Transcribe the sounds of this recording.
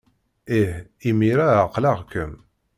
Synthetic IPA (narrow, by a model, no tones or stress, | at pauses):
ihimiɾæəqːlɑʁkəm